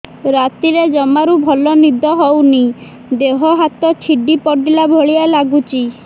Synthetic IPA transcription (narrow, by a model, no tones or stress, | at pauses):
ɾat̪iɾed͡ʒɔmaɾubʱɔlɔnid̪ʱɔɦɔwni | d̪eɦɔɦat̪ɔt͡ʃʰiɖipɔɖilabʱɔɭialaɡut͡ʃʰi